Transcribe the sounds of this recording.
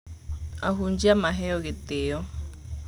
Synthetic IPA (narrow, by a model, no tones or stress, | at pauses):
a̰ɦund͡ʒiamaɦɛɔket̪eɔ